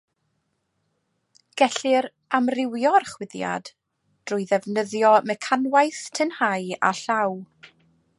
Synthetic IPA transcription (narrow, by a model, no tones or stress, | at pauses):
ɡ̥ɛɬɨɾ | amrɪwjɔrχwɪðja̰d | d̥rʊjðɛvnəðjɔmɛkʰanwajθtʰənhaja̰ɬaw